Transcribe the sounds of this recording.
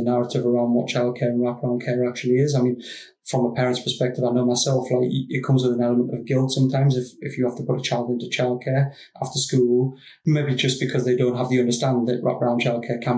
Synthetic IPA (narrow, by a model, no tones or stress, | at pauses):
ənaɹətɪvəɹãʊ̃nwɒ̰tt͡ʃʰaɪlˠd̚kʰɛːɹə̃nɹapʰəɹãʊ̃nkʰɛːɹak̚t͡ʃul̩ˠiɪzaɪmĩn | fɹə̃məpʰɛːɹə̃ntspʰə̥spɛk̚tɪvaɪnoʊmaɪsɛlˠflaɪkɪt̚kʰʊ̃mzwəðə̃nɛlˠəmə̃ntəvɡɪlˠtsʌ̃mtʰãɪ̃mzɪfɪfjəhaftəpʰʊtət͡ʃʰaɪlˠdɪ̃ntət͡ʃʰaɪlˠd̚kʰɛːɹ | ʔaftə˞skul | meɪbid͡ʒʌsb̥ɨkʰʌzðeɪdõʊ̃nʔɦəvtəʌ̃ndə˞stãnðəʔɹa̰pəɹãʊ̃nt͡ʃʰaɪl̚ˠkʰɛːkʰə̃